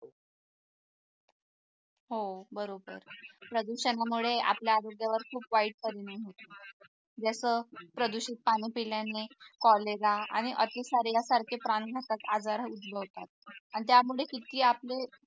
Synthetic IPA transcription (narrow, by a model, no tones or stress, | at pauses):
ɦobəɾobə̰ɾpɾəd̪uɾɕənamuɭeʔa̰pljaːɾoɡjaʋəɾkʰuːpʋaiːʈ̚kəɾiniɦot̪o | d͡ʑasəpɾəd̪uɕit̪̚paɽ̃iːpiljanekɔleɾaa̰ɽ̃iʔət̪ʰisaɾjasaɾkʰepɾanɡʱat̪at̪ad͡zaɾɦud̪bʱəʋt̪at̪̚anit̪jamuɭekit̪iːaple